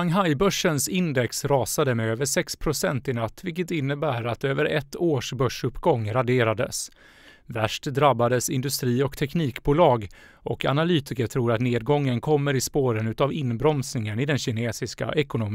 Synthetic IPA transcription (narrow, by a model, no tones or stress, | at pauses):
aŋɦajbœʂənsɪnd̪ɛksɾɑːsad̪əmɛøːvəʂɛkspʰɾʊsɛnt̪ɪnat̪ːvɪlkət̪ɪnːəbæːɾat̪øːvəɾɛt̪ʰːoːʂbœʂɵpːɡɔŋːɾad̪eːɾad̪ə̰s | væʂʈd̪ɾabːad̪əsɪnd̪ɵst̪ɾiːɔkt̪ʰɛkniːkbuːlɑːɡ | ɔkʰa̰nalyːt̪ɪkət̪ʰɾuːɾat̪neːd̪̚ɡɔŋːənkʰɔmːəɾɪspoːɾənʉ̟ːt̪avɪnbɾɔmsnɪŋənɪd̪ɛnɕɪneːsɪska̰ʔɛkʊnʊm